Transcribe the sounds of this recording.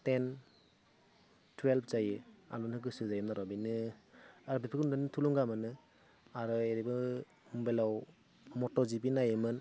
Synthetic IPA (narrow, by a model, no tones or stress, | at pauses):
ten | twelpʰzajɯa̰lunɯɡɯsɯzajɯmnaɾɔbinɯ | aɾɔbipʰikmdɯnɯtʰuluŋɡamɯnɯ | aɾɔeɾibɯ | mbelaw | mɔtɔzibinajɯmɯn